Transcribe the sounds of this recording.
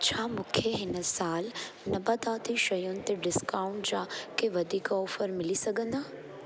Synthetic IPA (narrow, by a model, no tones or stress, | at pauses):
t͡ɕʰaːmʊ̃kʰeɦɪnəsaːl | nɐbɐd̪aːt̪iʃɐjʊnɪ̆t̪eɖɪskaːʊ̃ɳʈd͡ʑakeʋɐd̪ʱiːkʊːfəɾmɪlisɐɡʱə̃nd̪aː